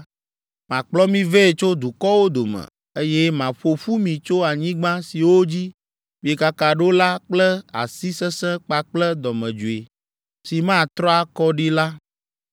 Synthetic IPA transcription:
mã˨k͡plɔ˦mĩ˦ve˦e˨t͡ʃo˦d̪u˨kɔ˦wo˦d̪o˨mɛ̰̃˨ | e˦jɛ˦mã˨ɸo˨ɸu˦mĩ˨t͡ʃo˦a˨ɲĩ˦ɡ͡bã˦si˨wo˦d͡ʑi˦ | mĩ˨e˨ka˦ka˨ɖo˦la˦k͡plɛ˦a̰˨si˦sɛ̃˦sɛ̃˦k͡pa˨k͡plɛ˦d̪ɔ˨mɛ̃˨d͡ʒu˨e˨ | si˨mã˦˨t̪ɾɔ˦a˦kɔ˦ɖi˦la˦

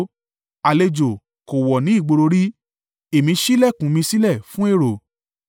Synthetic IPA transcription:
a˨le˧d͡ʒo˨ | ko˨wɔ˨nĩ˨˦i˦˨ɡ͡bo˧ɾo˧ɾi˦ | e˨mĩ˧ʃi˦lɛ˦˨kũ˨˦mĩ˧si˦lɛ˦˨fũ˦e˦˨ɾo˨

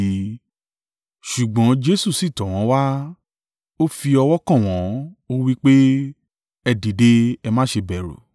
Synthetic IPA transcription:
ʃu˨ɡ͡bɔ̃˨˦d͡ʒe˦su˦˨si˦˨tɔ̃˨w̃ɔ̃˨˦wa˦ | o˦fi˧ɔ˧wɔ˦kã˦˨w̃ɔ̃˨˦o˦wi˦k͡pe˦ | ɛ˧di˨de˧ɛ˧mã˦ʃe˧bɛ˨ɾo̰˨

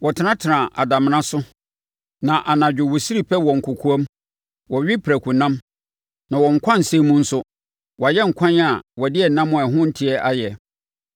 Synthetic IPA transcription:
wɔ˨tʰɪ˨˦nã˦tʰɪ˨nã˨ʔa̰˨da˨m˨nã˦sʊ˦ | nã˨ʔa˨nã˨d͡ʑᶣɪ˨wɔ˨si˦ɾi˦˨pʰɛ˦wɔ̃˨ŋ̩˨kʰʊ˨kʰu˦a˦m | wɔ˨ɥᶣi˦pʰɾæ˨kʰu˨nã˦m | nã˨wɔ̃˨ŋ̩˨kʷʰã˦n̩˨sẽ˦mũ˦n̩˦sʊ˦ | wjɛ˦ŋ̩˨kʷʰã˦n˦a˨wɔ˨dɪ˦ɛ˨nã˦mʊ̃˨ɛ˨ɦʊ̃˦n̩˦tʰi˨ɛ˦ʔa˦jɛ˨

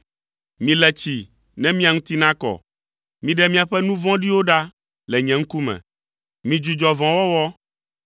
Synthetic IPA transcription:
mĩ˨lɛ˨t͡ɕi˨ | nɛ̃˦mĩ˦a˨ŋũ˦t̪i˦nã˦kɔ̰˨ | mĩ˨ɖɛ˦mĩ˦a˨ɸɛ˦nũ˦vɔ̃˦ɖi˦wo˦ɖa˦ | lɛ˨ɲɛ̃˨ŋ̩˦ku˦mɛ̰̃˨ | mĩ˨d͡ʒu˨d͡ʒɔ˨vɔ̃˨wɔ˦wɔ˦

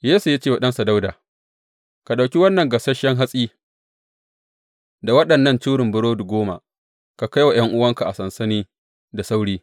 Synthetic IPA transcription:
jeː˦su˨ja˦t͡ʃeː˦˨wa˨ɗɐ˦nsa˨da˦wda̰ː˨ | ka˨ɗa˨wkʲi˦wɐ˦nːɐ˨ŋɡɐ˨sɐ˦ʃɛ˦ŋɦa˦sʼiː˦ | da˨wɐ˦ɗɐ˨nːɐ˦˨nt͡ʃuː˦ɽɪ˨mbʊ˦ɾoː˦du˨ɡʷoː˦ma̰˨ | ka˨ka˦jwa˨jɐ˦ŋʔʊ˦wɐ˦ŋka˨ʔa˨sɐ˨nsɐ˦niː˦ | da˨sa˦wɽiː˦

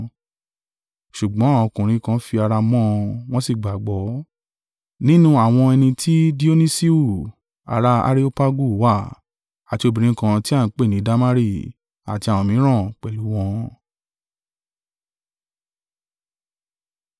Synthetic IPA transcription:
ʃu˨ɡ͡bɔ̃˨˦˨w̃ɔ̃˧kũ˨ɾ̃ĩ˨˦kã˧˦fi˧a˧ɾa˧mɔ̃˦˧w̃ɔ̃˦si˦˨ɡ͡ba˨ɡ͡bɔ˨˦ | nĩ˦nũ˦a˦˨w̃ɔ̃˧ɛ˧nĩ˧tʰi˦di˦o˦nĩ˦si˦u˦˨ | a̰˧ɾa˧˦a̰˧˦ɾi˦o˦pa˦ɡu˦˨wa˦˨ | a˨ti˧o˧bĩ˨ɾ̃ĩ˦kã˧ti˦a˦˨ñ̩˨˦k͡pe˦˨nĩ˨˦da˦ma˦ɾi˦˨ | a̰˨ti˧a˨w̃ɔ̃˧mĩ˨˦ɾ̃ã˦˨k͡pɛ˨lu˨˦w̃ɔ̃˧

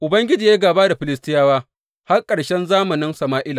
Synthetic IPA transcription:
ʔʊ˨bɐ˦ŋɡʲɪ˦d͡ʒiː˨jaː˦ɡaː˨baː˦da˨ɸɪ˨lɪ˦stɪ˦jaː˦waː˦ | ha˦rkʼɐ˨ɽʃɛ˦nzaː˦mɐ˨nɪ˦nsɐ˨maː˦ʔɪ˦la˨

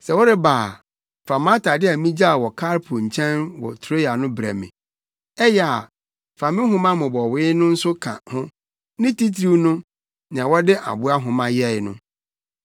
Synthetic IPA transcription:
sɛ˨wɔ˦ɾɪ˦baː˨ | fa˨mã˦tʰa˨dɪ˦a˨mĩ˦d͡ʑa˦˨wɔ˨kʰa˦ɾpʰʊ˨ɲ̩˨t͡ɕʰɛ̃˦nwɔ̰˨tʰɾo˦ja˨nʊ̃˦bɾæ̰˨mɪ̰̃˨ | ɛ˦jɛ˦˨a̰˨ | fã˨mɪ̃˦ɦʊ̃˦mã˦mʊ̃˨bɔ˨wɪ˦nʊ̃˦n̩˦sʊ˦kʰã̰˨hʊ̃˦ | nɪ̃˦ti˦tʰɾi˦wnʊ̃˦ | nã˨wɔ˦dɪ˦ʔa̰˨bʊ˦a˦ɦʊ̃˨mã˦jɛ˦˨ɪ˦nʊ̰̃˦

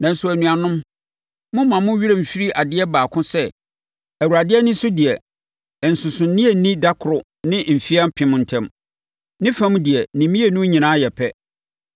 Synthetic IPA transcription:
nã˨n̩˦sʊ˦æ˨nũ˨a˨nʊ̃˦m | mʊ̃˦mã˨mʊ̃˦ɥi˦ɾe˦˨m̩˨fi˦ɾi˦ʔa˨dɪ˦ɛ˦baː˨kʰʊ̃˦sɛ˦ | æ˨wu˨ɾa˨dɪ˦ɛ˦nɪ̃˦sʊ˦dɪ˨ɛ˨ | n̩˨sʊ̃˨sʊ̃˨n̩˦nĩ˦e˦˨˦nĩ˦da˦kʰʊ˨ɾʊ˨ | nɪ̃˦m̩˨fi˦a˦m˦pʰɪ̃˦m̃˦n̩˨tʰɛ̃˦m | nɪ̃˦fã˦m̃˦dɪ˨ɛ˨nĩ˨mĩ˦e˨nʊ̃˦ɲĩ˨nãː˦jɛ˨pʰɛ˦

